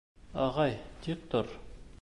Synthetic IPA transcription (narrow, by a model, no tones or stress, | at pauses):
ɑʁɑjt̪ik̚t̪oɾ